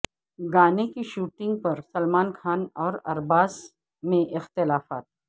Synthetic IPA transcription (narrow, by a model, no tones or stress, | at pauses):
ɡaːnekiʃuːʈɪ̃ŋɡ̚pɐɾsɐlmaːnkʰaːnɔːɾɐ̰ɾbaːz | mẽʔɪxt̪ɪlaːfaːt̪